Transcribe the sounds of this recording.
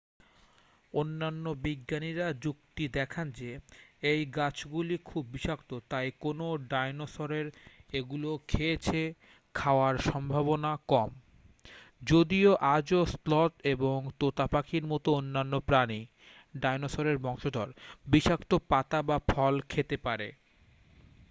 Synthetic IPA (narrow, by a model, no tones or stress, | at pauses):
onːanːobiɡːaniɾad͡ʑuk̚t̪id̪ɛkʰand͡ʑeejɡat͡ɕɡulikʰubːiʃakt̪ot̪ajkonoɖajnosoɾeɾeɡulokʰet͡ɕʰe | kʰaoaɾʃɔmbʱaβonakɔm | d͡ʑod̪ioʔad͡ʑoslɔt̪eboŋt̪ot̪apakʰiɾmɔt̪oonːanːopɾani | ɖajnosoɾeɾbɔŋʃod̪ʱɔɾbiʃakt̪opat̪abafʰɔlkʰet̪epaɾḛ